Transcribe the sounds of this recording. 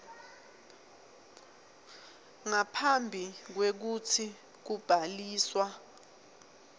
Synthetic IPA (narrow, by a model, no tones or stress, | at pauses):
ŋapʰambʱik̬wek̬utʰi | k̬ub̥ʱaliːswa